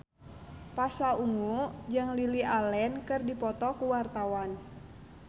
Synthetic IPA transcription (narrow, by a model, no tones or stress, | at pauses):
pasauŋud͡ʒəŋliliʔalɛnkɨrdipɔt̪ɔkuwart̪awan